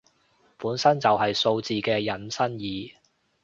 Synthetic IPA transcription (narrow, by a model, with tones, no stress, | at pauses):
puː˨˥nsɐ˥nt͡sɐ˨wɦɐ˨jso˧wt͡siː˨kɛː˧jɐ˨nsɐ˥njiː˨